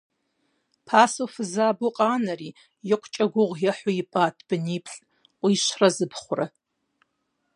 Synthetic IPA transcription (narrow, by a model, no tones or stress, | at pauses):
pʰasofɨzaːbuqʼaːnari | jɪqʷʰt͡ʃʼɐɡʷʊʁʷjaħʷoipʼaːtʰb̥ɨnipʰɬʼ | qʷʼiʃʷrazɨpʰχʷʊra